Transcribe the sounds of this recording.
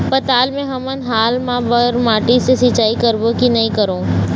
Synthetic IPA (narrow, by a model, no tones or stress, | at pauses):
pɐt̪aːlmẽɦɐmənɦaːlmãːbəɾmaːʈisesɪt͡ʃaːikəɾbokinɐĩkəɾõː